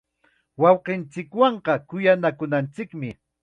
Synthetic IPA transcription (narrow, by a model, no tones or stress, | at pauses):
wɑwqɪnt͡sɪkwɑɴqɑkʊjanakʊnant͡sɪkmɪ